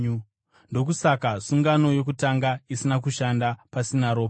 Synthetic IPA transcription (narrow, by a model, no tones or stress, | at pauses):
ndo̞k̬usakasuŋɡano̞jo̞k̬utaŋɡaisinak̬uʃandapasinaɾo̞ːpa